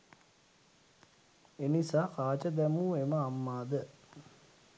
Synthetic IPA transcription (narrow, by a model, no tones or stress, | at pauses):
enisaːkaːt͡ʃəd̪æmuːeməamːaːd̪ə